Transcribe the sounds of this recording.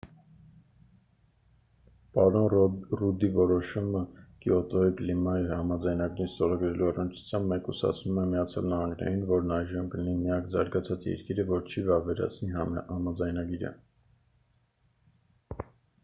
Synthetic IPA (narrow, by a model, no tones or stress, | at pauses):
pɑɾɔnrud̪ivɔɾɔʃuməkiɔt̪ɔiklimɑihɑmɑd͡zɑjnɑɡɾinst̪ɔɾɑɡɾɛluɑrənt͡ʃʰu̥t͡sʰjɑmbmɛkusɑ̰t͡sʰnumɛmijɑt͡sʰjɑ̰lnɑhɑŋɡnɛ̰ɾinvɔɾnɑjʒəmkəlinimijɑkzɑ̰ɾɡɑt͡sʰɑt͡sjɛ̰ɾkiɾəvɔɾt͡ʃʰivɑvɛɾɑ̰t͡sʰnihɑmɑd͡zɑjnɑɡiɾə̰